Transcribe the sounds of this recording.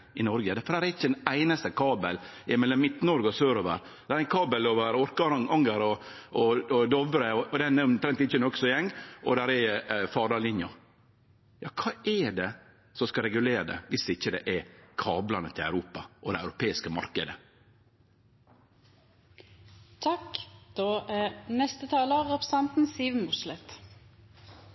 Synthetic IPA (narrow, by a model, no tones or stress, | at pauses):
ɪnɔɾɡəd̪fɔɖæːɾɛɾɪçːəd̪ɛnæɪnɑst̪əkʰɑːbəl | ɪmɛlːɔmːɪt̪ːnɔɾɡəɔsøːɾoːʋə̰ɾ | d̪æːɾɛɪnkʰɑːbəloːʋəɾɔɾkɑɑŋɡəɾɔ | ɔd̪ɔʋɾəɔɔd̪ɛnɛɾɔmt̪ʰɾɛnt̪ɪçːənɔksɔjɛŋːʔɔ̰d̪æɾɛfɑːɖɑlɪnjʊ | jɑːkʰɑːɛɖɛ | sɔskɑɾɛɡʉleːɾəd̪ɛ̰ʋɪsɪçːəd̪ɛ̰ʔɛɾkʰɑːblɑnət̪ʰɪlæ̰ʉɾuːpɑʔɔd̪ɛæʉɾʊpʰeːɪskəmɑ̰ɾkəd̪ə | t̪ʰɑkd̪̥oːʔænɛst̪ət̪ʰɑːləʁɛpɾə̥sɑnt̪n̩siːʋənʊslɛt̪